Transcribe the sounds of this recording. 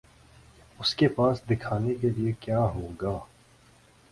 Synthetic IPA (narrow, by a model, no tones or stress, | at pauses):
ʊskepaːsd̪ɪkʰaːnekeliekjaːɦoːɡaː